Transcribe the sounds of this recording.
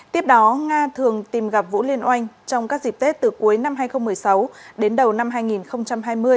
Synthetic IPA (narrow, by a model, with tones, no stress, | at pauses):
t̪i˦˥əp̚ɗɔ˨˦ŋaː˧t̪ʰɨ˨˩əŋt̪i˨˩mɣa˨˩p̚vṵ˧˥li˧ənʔa˧jŋ̟t͡ɕɔ˧wŋ͡mkaː˦˥k̚zi˨˩k̚t̪e˦˥t̚t̪ɨ˨˩ku˨˦əjna˧mɦaː˧jxə˧wŋ͡mmɨ˨˩əjsa˨˦wɗe˨˦nɗə˨˩wna˧mɦaː˧jŋi˨˩nxə˧wŋ͡mt͡ɕa˧mɦaː˧jmɨ˧əj